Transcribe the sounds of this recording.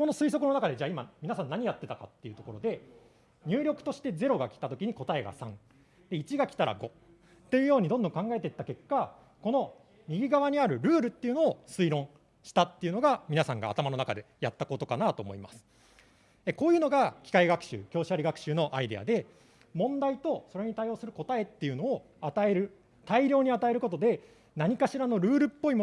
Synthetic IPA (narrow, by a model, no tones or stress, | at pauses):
ko̞no̞sɨis̬o̞kɯ̟no̞nakad̪e̞d͡ʑaːimamʲinasãnːaɲ̟ijat̪ːe̞t̪aka̰t̪ːejɯ̟t̪o̞ko̞ɾo̞d̪e̞ | ɲ̟ɨːɾʲo̞kɯ̥t̪o̞ɕi̥t̪e̞ze̞ɾo̞ɡakʲi̥t̪at̪o̞kʲiɲ̟iko̞t̪ae̞ɡa̰sã̰ŋ | d̪e̞it͡ɕiɡakʲi̥t̪aɾa̰ɡo̞ | t̪ːe̞jɯ̟jo̞ːɲ̟id̪õ̞nd̪õ̞ŋkãŋɡae̞t̪eit̪ːake̞kːa | ko̞no̞ | ɲ̟iɡʲiɡaβaɲ̟iaɾɯ̟ɾɯ̟ːɾɯ̟t̪ːeiɯ̟no̞ːsɨiɾõ̞ | ɕi̥t̪at̪ːe̞jɯ̟no̞ɡamʲinasãŋɡa̰ːt̪amano̞nakad̪e̞jat̪ːako̞t̪o̞kanat̪o̞ːmo̞̰ḭmasɨ̥ | e̞ko̞ːjɯ̟ːno̞ɡakʲi̥kaiɡakɯ̥ɕɨ̰ːkʲo̞ːɕaɾiɡakɯ̟̥ɕɨːno̞ʔaid̪e̞̰a̰d̪e̞ | mõ̞nd̪ait̪o̞so̞ɾe̞ɲ̟it̪aio̞ːsɨɾɯ̟ko̞t̪ae̞t̪ːe̞jɯ̟no̞ː | at̪ae̞ɾɯ̟ | t̪aiɾʲo̞ːɲ̟iat̪ae̞ɾɯ̟ko̞t̪o̞d̪e̞ | naɲ̟ikaɕiɾano̞ɾɯ̟ːɾɯ̟pːo̞imo